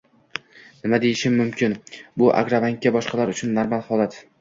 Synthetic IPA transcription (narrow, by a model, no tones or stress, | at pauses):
nɪmad̪e̞jɪʃɪmːʊmkʲʰɪnbʊʔa̰ɡɾavaŋkʲːabɒʃqʰɑlaɾʊt͡ʃʰʊnːaɾmalˠhɒlˠat̪